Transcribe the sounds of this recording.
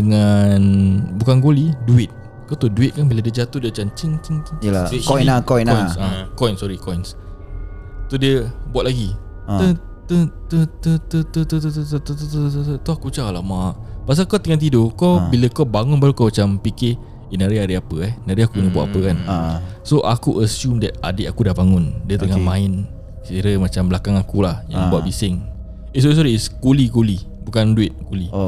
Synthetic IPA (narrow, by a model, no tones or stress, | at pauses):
dəŋanbukanɡoliduɪt̪̚ | kawt̪uduɪt̪̚kanbiladiəd͡ʒat̪odiət͡ʃamt͡ʃənt͡ʃənt̪əaijnakɔjnɔajsakɔjnsɔɾikɔjns | t̪udiəbuat̪̚ʔlaɡi | t̪ə | t̪ət̪ət̪ət̪ət̪ət̪ut̪t̪ət̪ət̪ət̪t̪t̪ət̪uakut͡ʃalamaʔpas̬akawt̪əŋant̪̬idokawbiləkawbaŋʊnbaɾukawmat͡ʃampikɪ | inaɾiaɾəapəɛhnaɾiakunəbuaʔ̚apəkansoʔakuʔəsjumdɛt̪̚adeʔakudahbaŋʊndiət̪əŋamaɪn | kiɾəmat͡ʃamblakaŋakulahjã̰ŋbuaʔ̚bisɪŋ | ɪsɔis̬ɔɾiɪskulikulibukanduɪt̪̚kuli